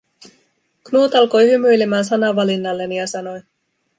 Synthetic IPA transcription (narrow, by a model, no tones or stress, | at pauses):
knuːt̪ɑlko̞jhymyjlemæːnsɑnɑʋːɑlinːɑlːe̞nijɑsɑno̞j